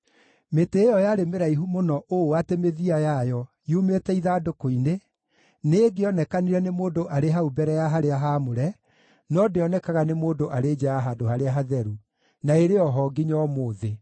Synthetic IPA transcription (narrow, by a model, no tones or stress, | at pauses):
meteːjɔjaɾemeɾaiɦumonɔʔoatemeðiajajɔ | jumetɛiðaːdokoine | neːɡeɔnɛkaniɾɛnemoːdoʔaɾeɦaubɛɾɛjaɦaɾeaɦamoɾɛ | nɔdeɔnɛkaɣanemoːdoʔaɾeːd͡ʒajaɦadohaɾeaɦaðɛɾu | naeɾeɔɦɔɡiɲɔmoːðe